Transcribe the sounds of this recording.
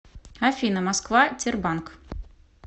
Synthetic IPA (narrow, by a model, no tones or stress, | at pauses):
afʲinəmaskvatʲerbank